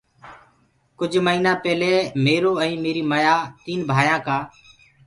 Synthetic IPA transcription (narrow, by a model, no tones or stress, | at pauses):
kʊd͡ʒʱməiːnãːpɛːleːmeːɾoːɛ̃ːmeːɾiːməjaːt̪iːnbʱaːjãːkaː